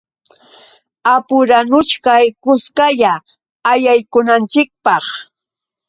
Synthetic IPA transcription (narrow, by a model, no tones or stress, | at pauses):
apʊɾanʊʃkajkʊskaʎaː | jajkʊnant͡ʃɪk̚pɑχ